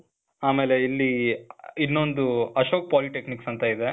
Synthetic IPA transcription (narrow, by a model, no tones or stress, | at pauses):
aːme̞ːleilːi | inːo̞nd̪uɐʃo̞ːk̚paːliʈekniksɐnt̪ɐid̪e̞